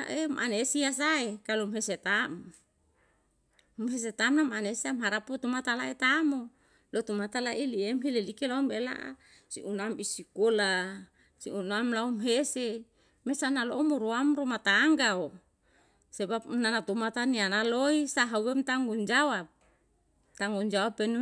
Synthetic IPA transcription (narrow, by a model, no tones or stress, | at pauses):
a̰ʔemʔa̰nesias̬aekalumɦeset̪am | mɦes̬et̪amnamanesiamɦaɾaput̪umat̪alaet̪amo | lot̪umat̪alaʔiliemɦelelikelaumbela̰ʔa̰ | sḭʔunambisikola | sḭunamlaumɦese | mesanaloʔmuɾuamɾumat̪aŋɡao | sebap̚nanat̪umat̪anianaloisaɦauwemt̪aŋɡund͡ʒawap̚ | t̪aŋɡund͡ʒawapenu